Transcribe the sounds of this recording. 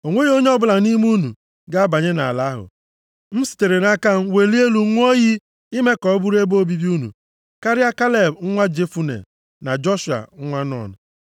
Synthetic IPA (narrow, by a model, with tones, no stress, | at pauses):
o˨ŋʷe˦i˦o˦ɲe˦ɔ˦bʊ˦la˨ni˦m˦u˦nu˨ | ɡa˦a˦ba˨ɲe˦na˨a˨la˦ɦʊ̰˨ | m̩˦si̥˨te˨ɾe˨na˦ka˦n̩˦we˨li˦e˦lu˦ŋʷ˦o˦ji˦ | i˦me˦kɔ˨˦bu˦ɾe˦bo˦bi˦bi˦u˦nṵ˨ | ka˦ɾɪ˦a˦ka˦le˨bŋ̩˦ŋʷa˦d͡ʒe˦fu˦nḛ˨ | na˨d͡ʒɔ˦ʃu˨a̰˨ŋ̩˦ŋʷa˦nɔ̰˨n̩˨